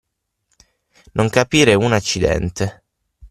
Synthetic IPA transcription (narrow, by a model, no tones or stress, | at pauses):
nʔoŋkapiːɾeunat͡ʃːid̪ɛ̰nt̪e